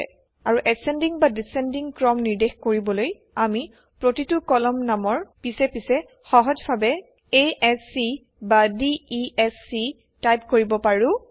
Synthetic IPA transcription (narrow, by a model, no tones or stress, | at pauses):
aɹuʔɛsɛndiŋbadisɛndiŋkɹɔmniɹdexkoɹibɔloj | ami | pɹotitukɔlɔmnamɔɹpisɛpisɛ | xɔɦɔd͡ʒbʰʱabɛ | eɛsi | badiːɛsi | tajp̚koɹibɔpaɹʊ̃